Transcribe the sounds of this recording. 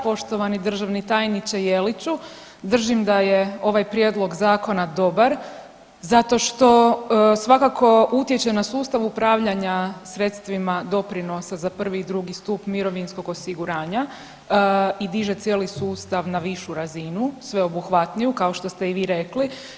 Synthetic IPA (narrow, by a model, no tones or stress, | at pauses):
po̞ʃt̪o̞ʋanid̪r̩ʒaʋnit̪aːjnit͡ʃejelit͡ɕu | d̪r̩ʒimd̪ajeo̞ʋajpɾjeːd̪lˠo̞ɡzaːko̞nad̪o̞baɾ | zat̪o̞ʃt̪o̞sʋakako̞ut̪jet͡ɕenasuːst̪aʋupɾaːʋʎaɲasɾe̞t̪st̪ʋimad̪o̞pɾino̞sazapr̩ʋiːd̪ɾuɡist̪upmiɾo̞ʋinsko̞ɡo̞siɡuɾaːɲa | id̪iʒe̞t̪sjeːlisuːst̪aʋnaʋiʃuɾazinusʋe̞o̞buxʋat̪nijukao̞ʃt̪o̞st̪e̞iʋiːɾe̞kli